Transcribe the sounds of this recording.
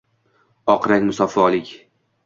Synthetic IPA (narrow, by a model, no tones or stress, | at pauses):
ɒqʰɾaŋʲmʊsɒfɒlɪkʲ